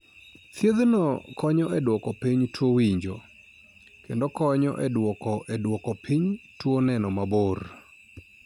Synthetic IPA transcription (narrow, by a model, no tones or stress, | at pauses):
t̪jed̪nɔkɔɲɔʔɛdwɔkɔpiɲtʰwowiɲd͡ʒo | kendokɔɲɔ̰ʔɛdwɔkɔʔɛdwɔkɔpʰiɲtwonɛnɔmabor